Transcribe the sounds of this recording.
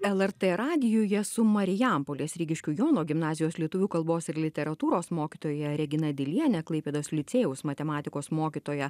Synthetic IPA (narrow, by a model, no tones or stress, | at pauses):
ɛlˠɛɾt̪ɛɾɑːd̪ʲɪjoːjɛsʊmɐɾʲɪjɛmpoːlʲeːsʲɾʲiːɡʲɪʃʲkʲuːjoːnoːɡʲɪmnɑːzʲɪjoːslʲiɛt̪ʊʋʲuːkɐlˠboːsɪɾlʲɪt̪ʲɛɾɐt̪uːɾoːsmoːkʲit̪oːjɛɾʲɛɡʲɪnɐd̪ʲɪlʲiɛnʲɛklˠɐɪpʲeːd̪oːslʲɪt̪sʲeːjɛʊsmɐt̪ʲɛmɑːt̪ʲɪkoːsmoːkʲit̪oːjɛ